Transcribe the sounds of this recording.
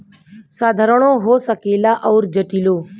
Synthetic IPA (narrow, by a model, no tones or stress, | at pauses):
saːd̪ʱəɾəɳõːɦoːsəkeːlaːʔɔːɾd͡ʒəʈiːloː